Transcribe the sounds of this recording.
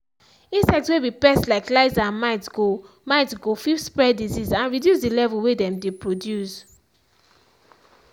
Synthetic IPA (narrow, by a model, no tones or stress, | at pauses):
ĩnsɛk̚tswebipɛstlaɪklaɪzãnmaɪtɡo | maɪtɡofifspɹɛdizizãnɹidjusdilɛvulwedɛ̃mdepɹodjus